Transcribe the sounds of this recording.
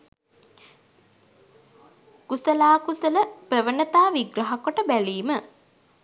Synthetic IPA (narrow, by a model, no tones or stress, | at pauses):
kusəlaːkusələprəʋənət̪aːʋiɡɾɐɦakoʈəbæliːmə